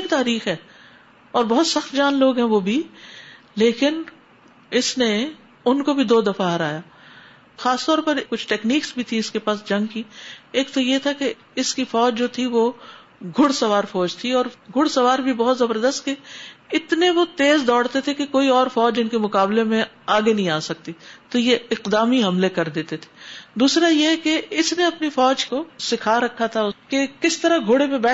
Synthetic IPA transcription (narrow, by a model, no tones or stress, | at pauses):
k̚t̪aːɾiːxɦɛː | ɔːɾbɔɦʊt̪sɐxt̪d͡ʒaːnloːɡɦɛ̃ʋobʱi | leːkɪn | ɪsne | ʊnkobʱid̪oːd̪ɐfaɦɐɾaːjaː | xaːst̪ɔːɾpɐɾkʊt͡ʃʰʈɛːkniːksbʱit̪ʰĩɪskepaːsd͡ʒɐ̃ŋɡkieːkt̪ojet̪ʰake | ɪskifɔːd͡ʒd͡ʒoːt̪ʰiʋo | ɡʱʊɽsɐʋaːɾfɔːd͡ʒt̪ʰiɔːɾɡʱʊɽsɐʋaːɾbʱibɔɦt̪zɐbəɾd̪əst̪keɪt̪neʋot̪eːzd̪ɔːɽt̪et̪ʰekekoːiɔːɾfɔːd͡ʒd͡ʒɪnkemʊkaːblemẽ | aːɡenɐɦĩaːsɐk̚t̪it̪ojeɪqd̪aːmiɦɐmlekɐɾd̪eːt̪et̪ʰe̥d̪uːsɾajeɦɛkeɪsneɐpnifɔːd͡ʒkosɪkʰaɾɐkʰːat̪ʰaʊkekɪst̪ɐɾaɡʱoːɽepẽbɛː